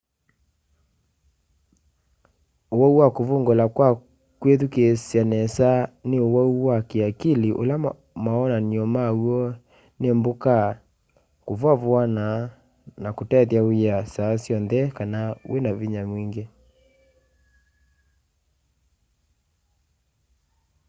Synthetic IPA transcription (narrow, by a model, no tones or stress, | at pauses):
owɔuwakovoŋɡolakwa | kweðukesjanɛsaneowɔuwakeakiliʔo̰la | maɔnaniɔmauɔ | nemboka | kovwavwana | nakotɛðjaweasasjɔnðɛkanawenaviɲamwiŋɡe